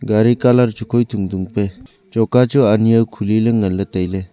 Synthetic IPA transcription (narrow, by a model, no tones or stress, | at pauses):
ɡaɾikalaɾt͡ʃukʰɔjt̪ʰuŋduŋpe | t͡ʃɔkat͡ʃuaniawkʰulilɯŋəlːɯtajle